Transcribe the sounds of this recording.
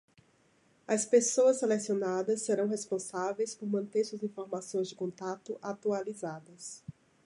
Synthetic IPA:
ɐspesoɐsːelesionad̪ɐsːeɾɐ̃w̃ɦespõsavejspoɾmɐ̃nt̪eɾsuɐzĩfoɾmasõj̃zd͡ʒɪkõnt̪at̪ʊʔat̪ualizad̪ɐs

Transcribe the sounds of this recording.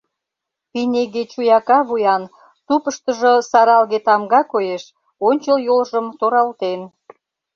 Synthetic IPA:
pineɣet͡ɕujɑkɑβujɑn | t̪upəʃt̪əʒəsɑɾɑlɣet̪ɑmɡɑkojeʃ | onʲt͡ɕəljolʒəmt̪oɾɑlt̪en

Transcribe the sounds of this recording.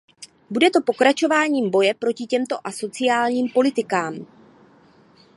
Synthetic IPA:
budɛt̪o̞po̞kɾat͡ʃo̞vaːɲiːmbo̞jɛpɾo̞cɪcɛmt̪o̞ʔaso̞t͡sɪjaːlɲiːmpo̞lɪt̪ɪkaːm

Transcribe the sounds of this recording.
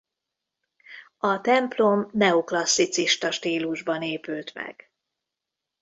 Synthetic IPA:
ɒt̪ɛmplo̞mnɛoklɒsːit̪siʃt̪ɒʃt̪iːluʒbɒneːpylt̪mɛ̰ɡ̥

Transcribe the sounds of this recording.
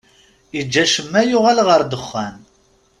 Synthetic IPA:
id͡ʒːæʃəmːæjʊʁælʁəɾd̪əχːæn

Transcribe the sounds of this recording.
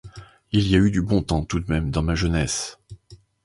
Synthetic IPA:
iliayd̪ybɔ̃t̪ɑ̃t̪ud̪mɛmd̪ɑ̃maʒənɛs

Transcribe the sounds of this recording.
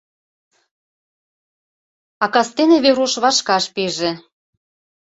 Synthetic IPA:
ɑkɑst̪enĕβeɾuʃβɑʃkɑʃpeʒĕ

